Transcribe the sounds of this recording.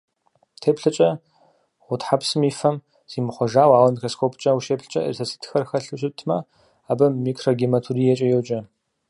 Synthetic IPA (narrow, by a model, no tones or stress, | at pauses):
tʰeːpɬɨt͡ʃʼɐ | ʁʷʊtħapsɨmiːfɐm | z̥iːmɨχʷɔʒaːwaːwɐmikroːskʰoːpʰt͡ʃʼɐwuʃeːpɬɨt͡ʃʼɐ̰ə̰rsɐsɨ̥tʰxɐrxɐɬɨɕʼɪtʰmɐ̰ | aːbɐmiːkʰroɡimɐtʰuɾiːjɛt͡ʃʼɐjɛwt͡ʃʼɐ